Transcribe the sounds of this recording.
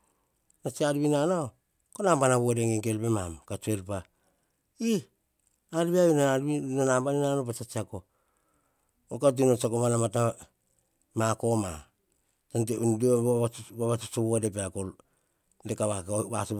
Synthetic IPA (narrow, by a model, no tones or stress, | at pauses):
nat͡ʃialβinana | konambanaβuadeŋeŋke̞lpemamkat͡ʃue̞lpa | i | alβiajunananambaninanopat͡ʃat͡ʃiako | okat̬inot͡ʃakoβanamata | mako̞ma̰ | tant̬eundioβaβat͡ʃut͡ʃoβuadep̬eakol | dekaβaβasu